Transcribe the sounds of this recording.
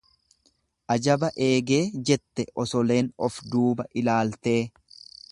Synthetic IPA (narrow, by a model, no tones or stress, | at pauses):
ʔɐd͡ʒɐbɐʔe̞ːɡe̞ːd͡ʒɛt̪ːɛʔɔsɔle̞ːnɔfd̪uːbɐʔɪlaːlt̪e̞ː